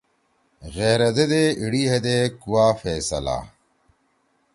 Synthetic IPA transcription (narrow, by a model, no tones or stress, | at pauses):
ɣeːɾɐd̪ed̪eiɽiɦɐd̪eːkuwaːfeːsɐ̰la̰